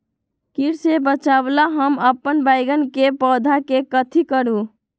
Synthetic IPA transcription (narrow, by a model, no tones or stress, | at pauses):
kiɽsebət͡ʃablaɦəməpːənbajɡənkepɔd̪ʱakekət̪ʰikəɾu